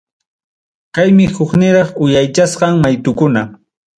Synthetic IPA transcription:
kajmɪhʊknɪɾɑχʊjajt͡ʃasqɑŋmajt̪ʊkʊna

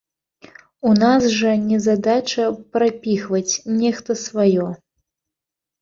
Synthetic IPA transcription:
unasʐɐnʲɛzad̪at͡ʂɐpɾapʲixvɐt͡sʲnʲɛxt̪ɐsvajɔ

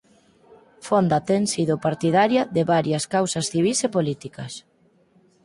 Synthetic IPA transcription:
fond̪ɐt̪ɛŋsiðʊpaɾt̪iðaɾjɐðɪβaɾjɐskawsɐsθiβisepolit̪ikɐs

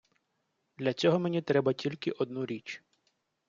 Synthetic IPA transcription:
d̪̥lʲɐt͡sʲɔɦɔmenʲit̪ɾɛbɐtʲilʲkɪʔɔd̪nuɾʲit͡ʃ

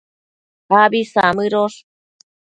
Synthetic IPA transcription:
abisamɨɾoʂ

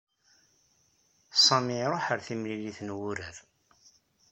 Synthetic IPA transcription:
sˤɑmiɾˤoħəɾθimliliθnwuɾəɾ

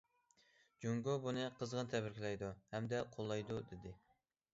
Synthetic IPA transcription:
d͡ʒoŋɡʊbunɨqʰəzʁənt̪ʰɛbɪɾkʲʰilɛjd̪uhɛmd̪ɛqʰolˠːɑjd̪ud̪ɪd̪ɪ

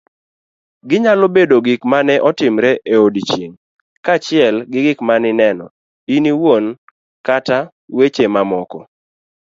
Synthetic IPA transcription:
ɡɪɲalobedoɡɪkmanɛʔɔtɪmɾɛʔeodit͡ʃjeŋ | kat͡ʃɪɛlɡɪɡɪkmanɪnɛnɔ | iniwon | kata | wet͡ʃemamɔkɔ

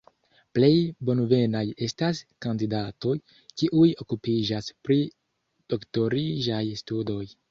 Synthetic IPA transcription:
ple̞jbo̞nve̞naje̞staskandidato̞j | kiʔujo̞kupid͡ʒaspɾi | d̥o̞kto̞ɾiʒajstudo̞j

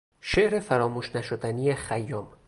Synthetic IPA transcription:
ʃeʔɾe̞fæɾɒːmuːʃnæʃod̪ænijexæjːɒːm

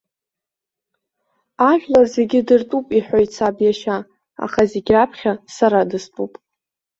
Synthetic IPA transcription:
aʒᶣlarze̞ɡʲɪdɨrtʼupʼiħʷojt͡sʰabjaʃa | a̰χaze̞ɡʲrapʰχʲasaɾadɨstʼupʼ

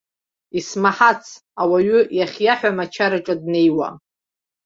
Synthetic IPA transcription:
ismaħat͡sʰ | awaɥʏjaχʲjaħʷᶣamat͡ʃʰaɾaʈ͡ʂʼadne̞jwa̰

